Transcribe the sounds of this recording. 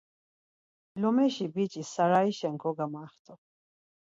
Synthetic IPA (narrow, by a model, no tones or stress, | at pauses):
lɔmɛʃibit͡ʃʼisaɾaiʃɛŋkʰɔɡamaːχt̪ʰʼɔ